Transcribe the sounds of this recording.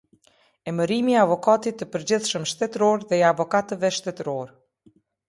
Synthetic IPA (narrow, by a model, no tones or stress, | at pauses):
ɛməɾimiavɔkat̪it̪ːəpəɾd͡ʑiθʃəmʃt̪ɛt̪ɾɔɾðɛɛavɔkat̪əvɛʃt̪ɛt̪əɾɔɾ